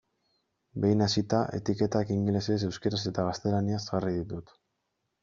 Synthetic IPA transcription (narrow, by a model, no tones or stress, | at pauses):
be̞jnasit̪aʔe̞̰t̪ike̞t̪akiŋɡleses̬e̞wskeɾase̞t̪aɣast̪e̞laniazɣariðit̪ut̪